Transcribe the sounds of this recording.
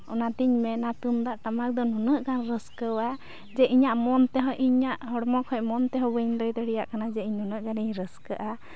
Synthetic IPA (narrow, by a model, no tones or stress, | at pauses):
ɔnat̪iɲmɛnat̪umd̪aʔʈamak̚d̪ɔnɔnəʔɡanɾəskəwa | d͡ʒɛʔiɲaʔmɔnt̪ɛɦɔjʔiɲaʔɦɔɽmɔkʰɔjmɔnt̪ɛɦɔbəɲd̪ɔjd̪əɽɛjaʔkanad͡ʒɛiɲnunəʔɡaniɲɾəskəʔa